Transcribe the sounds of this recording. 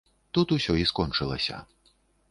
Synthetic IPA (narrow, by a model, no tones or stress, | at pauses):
t̪ut̪usʲɔiskɔnt͡ʂɨlˠɐ̰sʲɐ̰